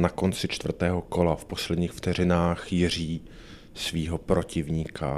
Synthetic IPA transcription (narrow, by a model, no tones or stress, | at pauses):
nako̞nt͡sɪt͡ʃt̪vr̩t̪ɛːɦo̞ko̞lafpo̞slɛd̪ɲiːxft̪ɛr̝ɪnaːxjɪr̝iː | sviːɦo̞pɾo̞cɪvɲiːkʰa̰